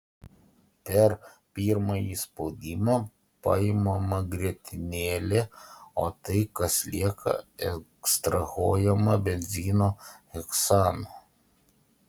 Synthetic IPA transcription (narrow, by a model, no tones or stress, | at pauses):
pʲɛɾ | pʲiːɾmɐjiːspoʊd̪ʲimɐː | pɐ̰ɪmɐmɐɡɾʲiɛt̪ʲɪnʲeːlʲɛoːt̪ɐɪkɐslʲiɛkʰɐ̰ɛkst̪ɾɐɣoːjɛmɐbʲɛnʲzʲiːnoːhɛksɑːnoː